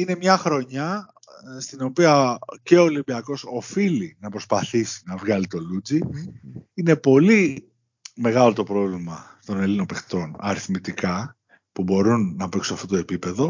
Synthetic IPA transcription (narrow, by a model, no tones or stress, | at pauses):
ine̞mɲɐxɾo̞ɲɐ | st̪ino̞piɐce̞o̞ːlimbiɐko̞sofilinɐpɾo̞spɐθisi̥nɐvɣɐlit̪o̞lud͡zi | ine̞po̞li | me̞ɣɐlo̞t̪o̞pɾo̞vlimɐt̪o̞ne̞lino̞pext̪o̞nɐ̰ɾiθmit̪ikɐ | pubo̞ɾunːɐpeksuɐft̪ot̪oe̞pipe̞ðo̞